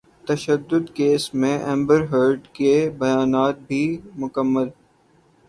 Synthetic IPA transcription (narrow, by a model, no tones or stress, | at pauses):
t̪ɐʃəd̪ːʊd̪keːsmẽʔɛ̃ːmbəɾɦəɾɖkebɐjaːnaːt̪̚bʱimʊkəmːəl